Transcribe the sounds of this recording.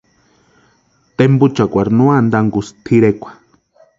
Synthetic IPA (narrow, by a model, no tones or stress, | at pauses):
t̪embut͡ʃakʷaɾnuand̪aŋɡust̪ʰiɾekʷḁ